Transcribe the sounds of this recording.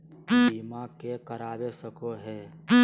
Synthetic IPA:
iːmãkekəɾaːʋesəkoɦɛː

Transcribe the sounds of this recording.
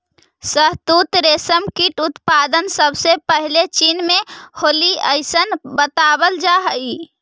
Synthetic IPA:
səɦt̪ut̪ɾesəmkiʈut̪pad̪ənsəbsepəɦilet͡ʃinmeholiəjsənbət̪abəld͡ʒaɦəi

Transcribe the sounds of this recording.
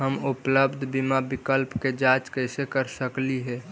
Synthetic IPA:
ɦəmupləbd̪ʱbimabɪkəlpked͡ʒat͡ʃkəɪsekəɾsəkliɦɛː

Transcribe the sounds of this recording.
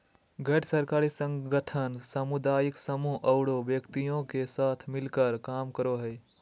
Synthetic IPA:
ɡʱɛʈsəɾkaːɾisə̃ŋɡəʈʰənsəmud̪aːjiksəmuɦʔəʊɽoʋjəkt̪ijõkesaːt̪ʰmɪlkəɾkaːmkəɾoɦəj

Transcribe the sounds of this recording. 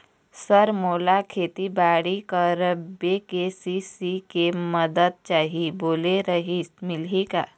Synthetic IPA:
səɾmoːlakʰeːt̪ibaːɽikəɾbekesisikeməd̪əd̪̚t͡ʃaːɦiboːleɾəɦismɪlɦika

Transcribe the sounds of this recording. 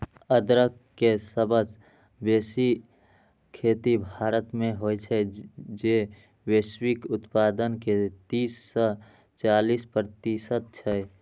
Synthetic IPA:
əd̪ɾəkː | esəbʱəd͡ʒ | besi | kʰeːt̪ibʱaːɾət̪mẽɦojt͡ʃʰɛd͡ʒe | weswikʊt̪pad̪ənket̪iːsːə | t͡ʃalispɾt̪isət̪̚t͡ʃʰɛ

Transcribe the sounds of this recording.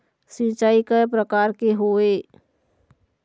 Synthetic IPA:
sit͡ʃaːikapɾəkaːɾkeɦoe

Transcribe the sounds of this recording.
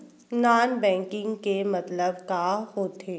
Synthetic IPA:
naːnbɛ̃ːŋkɪ̃ŋɡkemɐt̪ləbkaɦoːt̪ʰeː

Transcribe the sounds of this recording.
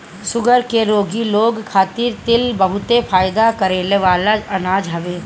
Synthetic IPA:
sʊɡəɾkeɾoːɡiloːɡkʰaːt̪ɪɾt̪ɪlbəɦʊt̪epʰaːjd̪akɐɾeːleʋaːlaɐnaːd͡ʒɦɐʋeː

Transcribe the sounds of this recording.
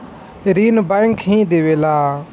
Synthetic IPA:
ɾiːnbaɪŋkʰɦĩːd̪eːʋeːlaː

